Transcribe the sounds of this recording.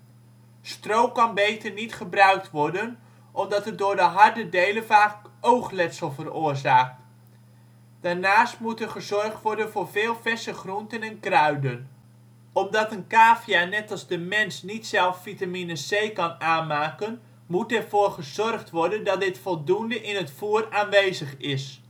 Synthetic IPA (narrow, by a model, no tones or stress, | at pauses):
strowkɑnbejtəɹnitχəbrœɥk̚tʋɔɹdən | ʔɔmdɑtət̚dʊːɹdəɦɑɹdədejlənvaːkowχlɛtsəlˠvərʊːɹzaːk̚t | d̥aːɹnaːstmutɛɹχəzɔrχtʋɔɹdənvʊːɹvɪːlˠvɛsəχruntənɛnkrœɥdən | ɔmdɑtənkaːfjanɛtɑlˠzdəmɛnsnitsɛlˠffitaminəsejkɑnaːnmaːkən | mutɛrv̥oːɹχəzɔrχtʋɔɹdəndɑt̚dɪtfɔlˠdundəʔɪnətfuːəraːnʋejzəχɪs